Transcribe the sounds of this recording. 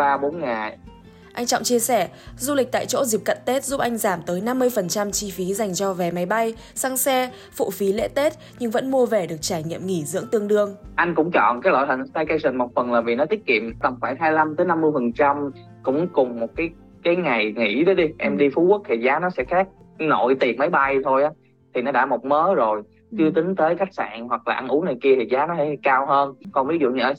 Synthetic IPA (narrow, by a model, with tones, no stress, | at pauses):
aː˧ɓo˨˦nŋaː˨˩j | ʔa˧jŋ̟t͡ɕɔ̰˧˨wŋ͡mt͡ɕi˧əsɛ˧˩zu˧lï˨˩k̚t̪a̰ː˧˨jt͡ɕo̰˧˥zi˨˩p̚kə̰˧˨nt̪e˦˥t̚zu˦˥p̚ʔa˧jŋ̟zaː˧˩mt̪əː˨˦jna˧mːɨ˧əjfə˨˩nt͡ɕa˧mt͡ɕi˧fi˨˦za˨˩jŋ̟t͡ɕɔ˧vɛ˨˩ma˨˦jɓa˧j | sa˧ŋsɛ˧ | fṵ˧˨fi˨˦lḛ˧˥t̪e˦˥t̚ | ɲɨ˧ŋvə̰˧˥nmu˧əve˨˩ɗɨ˨˩ək̚t͡ɕaː˧˩jɲḭ˧˨əmŋi˧˩zɨ̰˧˥əŋt̪ɨ˧əŋɗɨ˧əŋʔa˧jŋ̟kʊ̰˧˥ŋ͡mt͡ɕɔ̰˧˨nkaː˨˦jlo̰˧˨jt̪ə˨˩ŋt̪a˧jka˧jsï˨˩ŋmɔ˨˩t̚fə˨˩nlaː˨˩vi˨˩nɔ˨˦t̪i˦˥ət̚kḭ˧˨əmt̪ə˨˩ŋ͡mfaː˧˩jɦaː˧jla˧mt̪əː˨˦jna˧mːɨ˧əjfə˨˩nt͡ɕa˧m | kʊ̰˧˥ŋ͡mkʊ˨˩ŋ͡mmo˨˩t̚kaː˨˦j | kaː˨˦jŋa˨˩jŋḭ˧˩ɗəː˨˦jɗi˧ʔɛ˧mɗi˧fu˨˦ku˦˥ək̚t̪ʰi˨˩zaː˨˦nɔ˨˦sɛ̰˧˥xaː˦˥k̚no̰˧˨jt̪i˨˩mə˨˦jɓa˧jt̪ʰo˧jʔaː˨˦ | t̪ʰi˨˩nɔ˨˦ɗa̰ː˧˥˩mo˨˩t̚məː˨˦zo˨˩j | t͡ɕɨ˧t̪ï˨˦ŋ̟t̪əː˨˦jka˦˥jk̚sa̰ː˧˨nɦwa˨˩k̚laː˨˩ʔa˧nʔu˨˦na˨˩jki˧ət̪ʰi˨˩zaː˨˦nɔ˨˦sɛ̰˧˥˧kaː˧wɦəː˧nkɔ˨˩nvi˨˦z̰ɲɨ˧ʔə˧